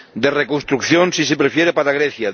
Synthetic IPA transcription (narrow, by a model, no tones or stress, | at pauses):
d̪erekonst̪ɾukθjonsisepɾefjeɾepaɾaɣɾeθja